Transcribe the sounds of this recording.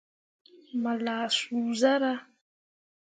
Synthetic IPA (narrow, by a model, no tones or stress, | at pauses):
malasuzaɾa